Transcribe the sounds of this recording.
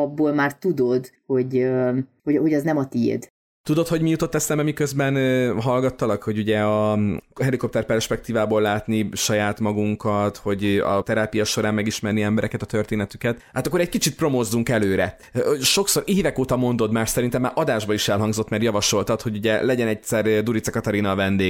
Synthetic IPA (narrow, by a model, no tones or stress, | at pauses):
ɒbːoːlmaːrt̪ud̪o̞d̪ho̞ɟ | hohoɟɒznɛmɒt̪ḭd̪ | t̪ud̪o̞t̪ho̞ɟmijut̪o̞t̪ːɛsɛmbɛmikøzbɛnɦɒlɡɒt̪ːɒlɒkho̞ɟuɟɛɒɦɛliko̞p̚t̪ɛrpɛrʃpɛk̚t̪iːvaːbolːaːt̪niʃɒjaːt̪mɒɡuŋkɒt̪ho̞ɟɒ̰t̪ɛɾaːpijɒʃo̞ɾaːmmɛɡiʃmɛrniɛmbɛɾɛkɛt̪ɒt̪ø̞rt̪eːnɛt̪ykɛt̪haːt̪ɒkːoɾɛc̚kit͡ʃit̪̚pro̞moːzd̪uŋkɛløːɾɛ | ʃo̞kso̞ɾeːvɛkoːt̪ɒmo̞nd̪o̞d̪maːrʃsɛɾint̪ɛmːaːʔɒd̪aːʒbɒiʃɛlɦɒŋɡzo̞t̪ːmɛrjɒvɒʃo̞lt̪ɒt̪ho̞ɟuɟɛlɛɟɛnɛc̪̚sɛrd̪uɾit̪sɛkɒt̪ɒɾinɒvɛnd̪eːɡ